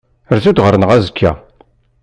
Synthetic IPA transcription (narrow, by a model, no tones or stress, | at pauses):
əɾθud̪ʁəɾnəʁæzkʰːæ̰